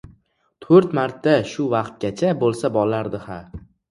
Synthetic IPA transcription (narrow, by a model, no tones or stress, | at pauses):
t̪ʰɵɾt̪maɾt̪ʰːaʃʊvɑqt̪̚ɡʲat͡ʃʰabolˠsabɒlˠaɾd̪ɪha